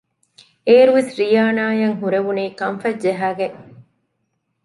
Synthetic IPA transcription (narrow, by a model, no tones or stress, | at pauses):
eːɾuʋesɾijaːnaːjɐŋɦuɾeʋuneːkɐmfɐd͡ʒeɦaːɡe